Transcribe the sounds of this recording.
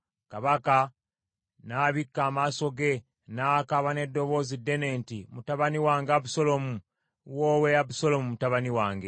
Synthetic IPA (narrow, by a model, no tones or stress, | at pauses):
kaβaka | naːβikːaːmaso̞ɡe̞ | naːkaβane̞dːo̞βo̞ːzidːe̞ne̞ːntimutaβaniwaːŋɡaβuso̞lo̞mu | woːweaβuso̞lo̞mumutaβaniwaːŋɡe̞